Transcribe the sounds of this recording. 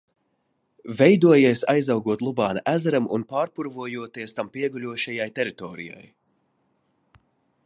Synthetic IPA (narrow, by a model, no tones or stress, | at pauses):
vɛjd̪uɔjiɛsajzawɡuɔt̪lˠubaːnaʔæzɛɾamunpaːɾpuɾvuɔjuɔt̪iɛst̪ampiɛɡulʲuɔʃɛjajt̪ɛɾit̪ɔːɾḭja̰j